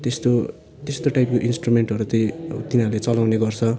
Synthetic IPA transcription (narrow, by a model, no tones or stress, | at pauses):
t̪est̪o | t̪est̪oʈajpkoʔinsʈrumeɳʈʌɾut͡sʌj̃t̪inaɾlet͡sʌlawneɡʌrt͡sʰʌ